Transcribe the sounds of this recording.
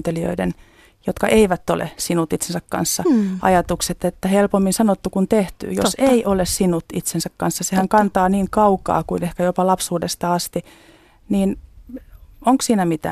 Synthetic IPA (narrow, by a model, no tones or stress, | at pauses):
t̪elio̰iden | jot̪kɑʔeiʋæt̪ːo̰lḛsinut̪it̪sensækkɑ̰nsːɑʔɑ̰jɑt̪ukset̪et̪ːæhelpomːinsɑnot̪ːukunt̪eht̪y̰ːjo̰seiʔolessinut̪it̪sensækkɑnsːɑsehæŋkɑnt̪ɑːniːŋkɑukɑ̰ːkuinehkæjopɑlɑpsuːdest̪ɑɑst̪i | niːn | oŋksiːnæmit̪æ̰